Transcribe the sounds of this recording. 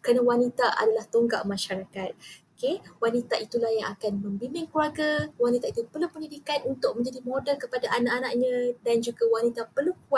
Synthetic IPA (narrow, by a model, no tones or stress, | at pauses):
kɾanãwanit̪aʔa̰dalaht̪oŋɡa̰ʔmãʃaɾakat̪̚okewanit̪aʔit̪ulahjaŋakanmə̃mbimɪŋkuaɡawanit̪ait̪upərlupəɲidikanunt̪ʊk̚mə̃ɲd͡ʒadimodəlkəpadaʔanaʔanaʔɲãdand͡ʒuɡawanit̪apərluk̚uat̪̚